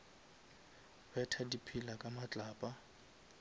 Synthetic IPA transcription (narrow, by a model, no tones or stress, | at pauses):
bɛtʰadipʰilakʼamat͡ɬʼaːpʼa